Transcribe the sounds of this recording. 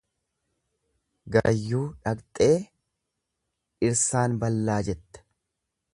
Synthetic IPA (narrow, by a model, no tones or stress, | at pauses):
ɡɐ̰jːuːᶑɐkt̪ʼe̞ː | ɪɾsaːnbɐlːaːd͡ʒɛt̪ːɐ̥